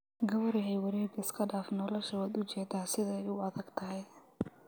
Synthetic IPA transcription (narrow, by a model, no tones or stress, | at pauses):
ɡɐβɔɾɪɦɛjwɐɾɛːɡɪskʰɐɖaːfnɔlɔʃɐaːd̪ʊt͡ʃɛːd̪aːsɪðɐɛjʊɐðɐɡt̪ʰɐɦɛj